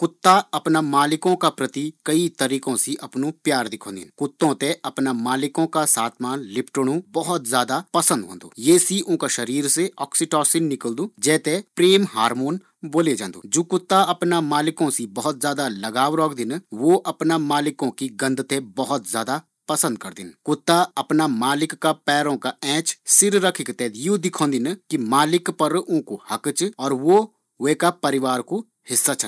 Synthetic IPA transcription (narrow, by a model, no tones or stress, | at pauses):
kʊt̪ːaɐpnamaːlɪkõkapɾɐt̪ikɐit̪ɐɾiːkõsiʔɐpnõpjaːɾd̪ɪkʰõːd̪ɪ̰nkʊt̪ːõt̪ẽɐpnamaːlɪkõkasaːt̪ʰmaːnlɪpʈəɽ̃ũbɐɦʊt̪zjaːd̪apɐsə̃nd̪ɦõ̰ːnd̪o̰ːjeːsiʔʊ̃kaʃɐɾiːɾseɔːksɪʈɔːsinnɪkəld̪uːd͡ʒɛːt̪epɾeːmɦaːɾmoːn | boːled͡ʒãːnd̪o̰ːd͡ʒoːkʊt̪ːaɐpnamaːlɪkõsibɐɦʊt̪zjaːd̪alɐɡaːʋɾɔːkd̪ɪnʋoʔɐpnamaːlɪkõkiɡɐ̃nd̪t̪ebɐɦʊt̪zjaːd̪a | pɐsə̃nd̪̚kɐɾd̪ɪnkʊt̪ːaɐpnamaːlɪkːapɛːɾõkaɛ̃ːt͡ʃsɪɾɾɐkʰɪkt̪ɛjud̪ɪkʰõːnd̪ɪnkimaːlɪkpəɾʊ̃kohɐkt͡ʃɔːɾʋo | ʋeːkapɐɾɪʋaːɾko | hɪsːat͡ʃʰə